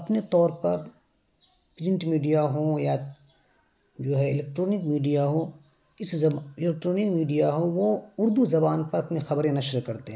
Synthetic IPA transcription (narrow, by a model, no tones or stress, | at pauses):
ɐpnet̪ɔːɾpɐɾ | pɾɪ̃ɳʈmiːɖijaɦoja | d͡ʒoːɦɛɪleːk̚ʈɾoːnɪkmiːɖijaɦo | ɪsɐɪlek̚ʈɾoːnɪkmiːɖijaɦoʋoʊɾd̪uzɐbaːnpɐɾɐpnexɐbɾẽnɐʃɾkɐɾt̪eɦɛ̃